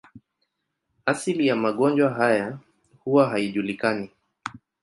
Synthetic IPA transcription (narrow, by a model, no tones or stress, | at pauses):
asilijamaɠɔnd͡ʒwaɦaja | huwaɦaiʄulikani